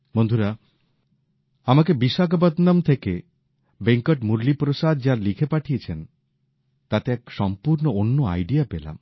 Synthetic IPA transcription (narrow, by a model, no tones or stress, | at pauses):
mond̪ʱuɾa | amak̬ebiʃak̬abad̪namt̪ʰeke | beŋkɔʈmuɾlipɾosad̪̚d͡ʑaɾlikʰepaʈʰiet͡ɕʰen | t̪at̪eɛkʃɔmpuɾnoonːoa̰jɖijapela̰m